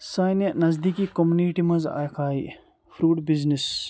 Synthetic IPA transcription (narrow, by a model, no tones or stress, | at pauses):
saːjnjɐnɐzd̪ikikomuniʈimɐza̰ːjkʰaːj | pʰɾuːʈbiznis